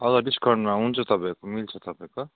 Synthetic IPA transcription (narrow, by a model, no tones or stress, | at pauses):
ʌd̪ʌɖiskʌrɳmaɦunt͡sʰʌt̪ʌpaekomilt͡sʰʌt̪ʌpaẽko